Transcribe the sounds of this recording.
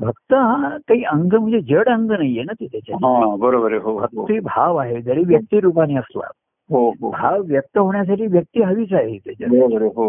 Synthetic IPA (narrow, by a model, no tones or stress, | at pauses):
bʱəkt̪əɦãkaɦiːʔəŋɡəm̤ə̃ɳd͡zed͡ʑəɽəŋɡənajːenat̪et̪ʰjat͡ɕaɦãbəɾobəɾeɦobʱək̚t̪ibʱaʋaɦed͡z̪ʱəɾiːʋjək̚t̪iːɾup̬aniːəsla̰ | ɦoɦobʱaʋːjək̚t̪əɦoɳjas̬aʈiːʋjək̚t̪iːɦəʋiːt͡saɦet̪at͡ɕabəɾobəɾeɦo